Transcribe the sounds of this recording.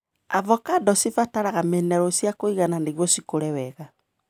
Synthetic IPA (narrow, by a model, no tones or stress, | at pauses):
avɔkadɔsifataɾaɣamenɛɾɔsjakoiɣananeɣwɔsikoɾɛwɛɣa